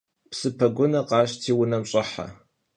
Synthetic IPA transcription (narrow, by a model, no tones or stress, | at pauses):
psɨpʰɐɡʷʊnɐqɑːɕtʰiːwʊnɐmɕʼɐħa̰